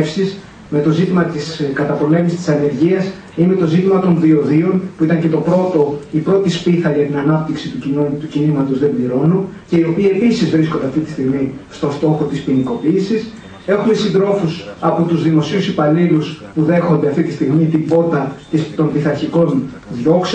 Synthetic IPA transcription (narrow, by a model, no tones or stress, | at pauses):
fsis | me̞t̪o̞zit̪imɐt̪iskɐt̪ɐpo̞le̞misi̥st̪i̥sɐne̞ɾʝiɐs | imet̪o̞zit̪imɐt̪o̞nðio̞ðionpuit̪ɐɲce̞t̪o̞pɾo̞t̪o̞ipɾo̞t̪ispiθɐʝɐt̪inɐnɐp̚t̪iksit̪ucinot̪ucinimɐt̪o̞zðe̞mbliɾo̞nunce̞io̞piie̞pisizvɾiskond̪e̞ɐft̪it̪i̥st̪iɣmist̪o̞nst̪o̞xo̞t̪ispiniko̞piːsis | e̞xume̞sind̪ɾo̞fusɐpot̪uzðimo̞siusipɐliluspuðe̞xond̪eɐft̪it̪ist̪iɣmit̪ibo̞t̪ɐt̪ist̪o̞mpiθɐɾçiko̞n | ðʝo̞ks